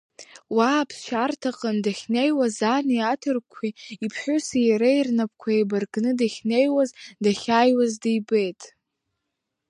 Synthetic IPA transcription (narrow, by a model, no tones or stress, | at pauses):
wapʰʃartʰaqʼandaχʲnejwazaniatʰɨrkʷʰiipʰħʷʊsijaɾairnap̚ʰʼkʷʰaebarɡnɨdaχʲnejwazdaχʲaːjwazdajbejtʼ